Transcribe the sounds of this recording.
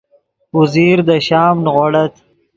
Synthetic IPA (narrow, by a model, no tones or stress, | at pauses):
uziːɾd̪əʃɑːmnɣoɽɐt̪